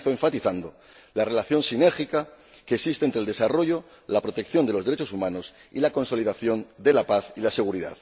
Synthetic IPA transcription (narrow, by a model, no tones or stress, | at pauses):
θoe̞ɱfat̪iθand̪o̞ | lare̞laθjo̞nsine̞ɾxika | ke̞ːksist̪ent̪ɾeld̪e̞saro̞ʝo | lapɾo̞t̪e̞k̚θjo̞nd̪e̞lo̞zeɾet͡ʃosumãnos | ḭlako̞nso̞liðaθjo̞nd̪e̞lapaθilase̞ɣ̞uɾiða̰ð